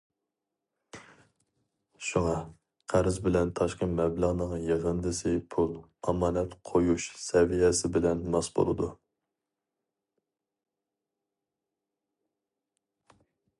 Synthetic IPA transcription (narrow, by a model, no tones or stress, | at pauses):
ʃuŋɑ | qʰæɾɪzbɪlɛnt̪ʰɑʃqəmɛbləʁnəŋjeʁənd̪ɨsɪpʰulˠ | ɑmɑːnɛt̪qʰojuʃsɛvijɛsɪbɪlɛnmɑsbo̰lˠɨd̪u